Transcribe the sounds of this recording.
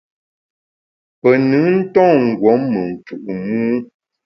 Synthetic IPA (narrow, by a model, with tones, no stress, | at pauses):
pə˨nɨ˨˦n̩˦tɔ̃ː˦˨ŋ̩˨ɡwɔ˨˦mːə˨n̩˨t͡ʃu˨ʔu˨muː˦